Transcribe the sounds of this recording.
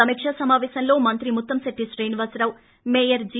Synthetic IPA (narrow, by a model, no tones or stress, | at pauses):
ɐmikʂɐsɐmaːʋeːʃɐnlo̞ːmɐnt̪ɾimut̪ːɐmsɐʈːisɾeːnʋɐsɐɾɐw | meːjɐɾd͡ʒ